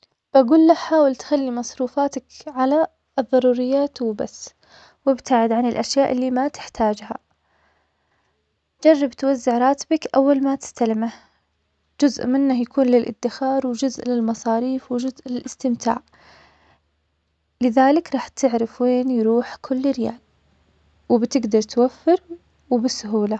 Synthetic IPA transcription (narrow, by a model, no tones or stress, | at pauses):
b̥aɡuːlːahħaːwɪlt̪xalːimɑsˤɾuːfaːt̪akʕala | ɨðˤːɑɾˤuːɾɪjːaːt̪wba̰sː | wɪbt̪aʕɪd̪ʕanɪlʔaʃjaːʔɪlːiːmat̪ɪ̥ħt̪ʰaːd͡ʒha̰ | d͡ʒɑrˤːɑbt̪wazːɪʕɾˤɑːt̪bakʔawːalmat̪ɪ̥st̪alɪmah | d͡ʒʊzʔmɪnːahjakuːnlɪlʔɪ̰d̪ːɪxɑːɾˤwɪd͡ʒʊzʔlɪlmɑsˤɑːɾiːfwɪd͡ʒʊzʔlɪlʔɪst̪ɪmt̪ʰa̰ːʕ | lɪðaːlɪkɾˤɑːħt̪ʰɪʕɾɪfweːnjɾuːħkʰʊlːɪɾja̰ːl | wɪbt̪ɪɡd̪ɑɾˤt̪wafːɪɾ | wɪbɪsːʊɦuːla